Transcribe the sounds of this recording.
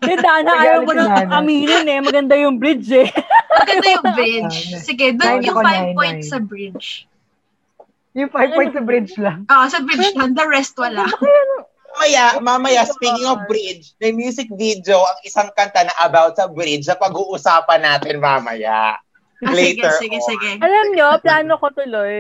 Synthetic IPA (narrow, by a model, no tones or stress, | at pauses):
ɡɐnd̪aʔɐnɐʔajowɐlɐkɐmiːnʊnɛmɐɡɐnd̪ajʊŋbɾɪd͡ʒɛmɐɡɐnajʊŋbɾɪd͡ʒsɪɡɛd̪ʊŋfajpojnt̪ssɐbɹɪd͡ʒ | jʊŋfajvppɔj̃t̪sɐbɾɪd͡ʒlɐŋʔoʔsɐbɾɪd͡ʒlɐŋd̪ɐɹɛst̪̚wɐla | amɐjamamɐjaspikɪŋɔfbɾɪd͡ʒnɐjmjuːsɪk̚vid̪owʔɐŋɪsaŋkɐnt̪anɐʔɐbawt̪̚sɐbɾɪd͡ʒsɐpɐɡuːʔʊsaːpɐnːaːt̪ɪnmamɐ̰ja̰ | lɛɪjtɡɛɛɪɡɛsɪɡɛʔɐlɐmɲoplaːnokot̪ʊloj